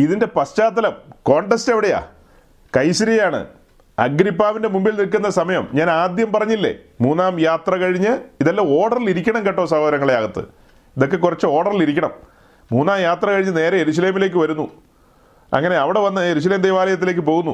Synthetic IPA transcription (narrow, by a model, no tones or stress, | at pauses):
iðinde̞pɐst͡ɕaːt̪ːɐlɐmko̞ːɳʈesteʋiɽeja̰ | kɐjsɐɾiɐjaːɳɨ̰ | ɐ̰ɡɾipːaːʋinde̞mumbilnilkunːɐsɐmɐjɐmɲaːnaːd̪jɐmpɐrɐɲːilːḛmuːnːaːmjaːt̪rɐkɐɻiɲːɨiðɐlːoo̞ːɽɐriliɾikʲːɐɳɐmkeʈːoːsɐɦoːd̪ɐɾɐŋːɐɭejaːɣɐt̪ːɨ̰ | iðo̞k̬ːe̞kurɐt͡ɕːɨo̞ːɽɐriliɾikʲːɐɳɐ̰m | muːnːaːmjaːt̪rɐkɐɻiɲːɨne̞ːɾɐje̞ɾus̬ɐleːmile̞ːk̬ːɨʋɐɾunːu | ɐ̰ŋːɐne̞ɐʋiɽe̞ʋɐnːɨe̞ɾus̬ɐleːmd̪ejʋaːlɐjɐt̪̬ːile̞ːk̬ːɨpo̞ːɣunːṵ